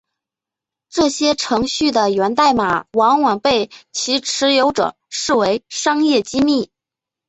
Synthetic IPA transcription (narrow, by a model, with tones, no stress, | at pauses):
ʈ͡ʂɤ˥˩ɕjɛ˥ʈ͡ʂʰɤ˧˥ŋɕy˥˩d̪ə˩ɥɛ˧˥nt̪a˥˩ɪma˨˩wɑ˧˥ŋwɑ˨˩ŋpe˥˩ɪt͡ɕʰi˧˥ʈ͡ʂʰɻ̩˧˥jo˧˥ʊʈ͡ʂɤ̰˨˩˦ | ʂɻ̩˥˩we˧˥ɪʂɑ˥ŋjɛ˥˩t͡ɕi˥mi˥˩